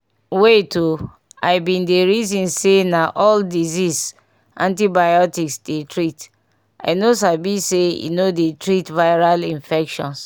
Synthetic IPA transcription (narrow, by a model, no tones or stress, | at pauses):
wetu | aɪbĩndeɾizĩnsenaʔɔldizis | ʔã̰ntibajɔtiksdetɾit | a̰ɪnos̬abiseḭnodetɾitvaɪɹalĩɱfɛkʃɔ̰̃ns